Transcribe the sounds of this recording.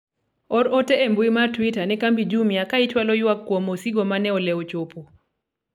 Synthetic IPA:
ɔɾɔteembwimartwitanɛkambid͡ʒumjakait͡ʃwalɔjwakːwomosiɡomanɛɔlɛot͡ʃopo

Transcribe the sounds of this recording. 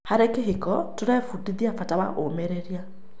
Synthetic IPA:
haɾekeɦekɔtoɾɛfudiðiafatawa̰ʔomeɾeɾja

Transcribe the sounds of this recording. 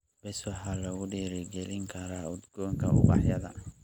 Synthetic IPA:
b̥ɛswɑħalɐɣʊɖiːɾɪɡɛlɪŋkʰɐɾaːʊd̪ɡɔːŋkʰɐʊ̰bɑ̰ħjɐðɐ̰

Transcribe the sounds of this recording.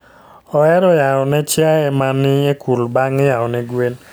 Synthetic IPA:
ɔɛɾɔjaɔnɛt͡ʃjaɛmanɪekʰulbaŋɪjaɔnɛɡwen

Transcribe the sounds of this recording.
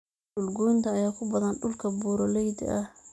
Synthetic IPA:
ʊlɡuːnt̪ʰɐːjaːkʰʊbɐðɐnɖʊlkʰɐbuːɾɔlɛjd̪̰ʔɐh

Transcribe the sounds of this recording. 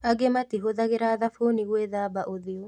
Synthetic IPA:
aɡematiɦoðaɣeɾaðafoniɣweðaːbaʔoðio

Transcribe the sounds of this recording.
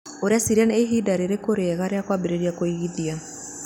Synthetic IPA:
oɾeasiɾianeːɦidaɾeɾekoɾeɣaɾeakwabeɾeɾiakoiɣiðia

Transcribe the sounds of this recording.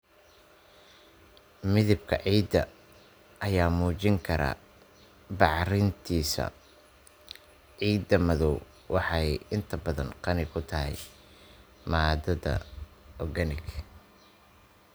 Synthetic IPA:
mɪðɪb̚kʰɐ̰ʕiːd̪ɐ | ʔɐjaːmuːt͡ʃɪŋkʰɐɾa̰ː | bɑʕrɪnt̪ʰiːsɐ̰ | ʕiːd̪ɐmɐðɔw | wʔɑħɑjɪnt̪ʰɐbɐðɐnqɑnɪkʰʊt̪ʰɐɦɛ̰j | maːd̪ɐðɐ̰ɔɡɐnɪk

